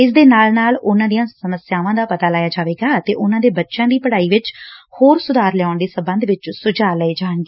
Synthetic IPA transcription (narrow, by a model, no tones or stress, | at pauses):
ɪsd̪eːnaːlnaːlʊnãːd̪ijãːsəməsjaːʋãːd̪aːpət̪aːlaːjaːd͡ʒaːʋeːɡaːt̪ḛːʔʊnãːd̪eːbətːʃãːd̪iːpəɽaːiːʋɪt͡ʃhoːɾsʊd̪aːɾlɛaːʊɳd̪eːsəmbənd̪ʋɪt͡ʃsʊd͡ʒaːləeːd͡ʒaːəɳɡeː